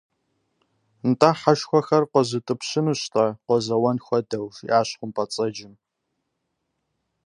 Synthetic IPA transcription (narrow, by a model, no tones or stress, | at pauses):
ntʼaːħaʃxʷɔxɐrqʷɔzɨtʼɨpɕɪmɨɕtʼɐqʷɔzɐwɐnxʷɔdɐwʒḭʔaːɕχʷʊmpʰʼɐt͡sʼɐd͡ʒɪm